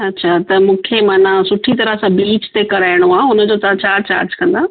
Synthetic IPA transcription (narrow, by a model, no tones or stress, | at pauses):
ɐtːɕʰat̪ɐmũːkʰemaːnãsʊʈʰit̪ɐɾəsãbɾiːt͡ɕt̪ekɐɾaːɪɽ̃oaːʊnəd͡ʑoːt̪ɐʋ̤ãt͡ɕaːɾt͡ɕa̰ːɾd͡ʑkɐ̃nd̪aː